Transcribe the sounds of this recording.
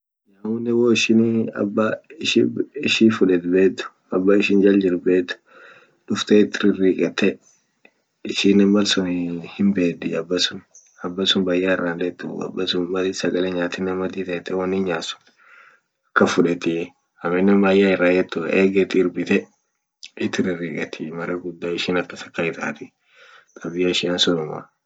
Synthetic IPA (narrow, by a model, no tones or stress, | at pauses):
ɲaːwʊnːɛwoːɪʃɪnɐ̰bːaɪʃɪɪʃifʊᶑɛt̪beːt̪ːʊ̥ | ɐbːaɪʃɪnd͡ʒɐld͡ʒɪɾbeːt̪ːʊ̥ | ᶑʊft̪et̪ːɪɾɪrːiːkʼɛt̪ːɛ | ɪʃinːɐmbɐlsʊnhɪmbeːd̪ɪɐbːɐsʊn | ɐbːɐsʊnbajːaːɪrːaːnd̪ɛt̪ːʊ̰ɐ̰bːɐsʊnmɐlɪsɐɡɐlɛɲaːt̪ɪnːɐmɐd̪iːt̪ɐɛt̪ːɛwɐnːɪnɲaːsʊ̥n | ɐkːɐfʊᶑɛt̪ɪ | hɐmɛnːɐmbaːjːaːɪrːaːd͡ʒɛt̪ːʊ̰ʔeːɡɐt̪ːɪːɾbɪt̪ɛ | ɪt̪ːɪɾɪrːiːkʼɐt̪ʰɪmɐɾɐɡʊd̪ːaːɪʃiːnɐkːɐsɐ̥kːaɪt̪a̰ːt̪ɪ | k̪ʼɐbɪjɐɪʃɪansɔnʊma̰